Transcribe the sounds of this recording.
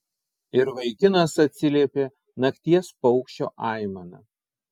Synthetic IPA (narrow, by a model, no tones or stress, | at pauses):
ɪɾʋɐɪkʲɪnɐsɐt̪ʲsʲɪlʲiɛpʲeː | nɐkt̪ʲiɛspɔʊkʃʲt͡ʃʲo̰ːʔɑˑɪmɐnɐ̰